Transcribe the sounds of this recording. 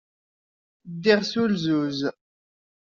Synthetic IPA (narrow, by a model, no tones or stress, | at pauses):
d̪ɛʁsulzuz